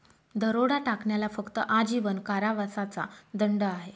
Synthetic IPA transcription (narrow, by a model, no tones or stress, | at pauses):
d̪əɾoɽaʈakɳjalafəkt̪əʔad͡ʑiʋənkaɾaʋasat͡sa̰d̪əɳɖəaɦe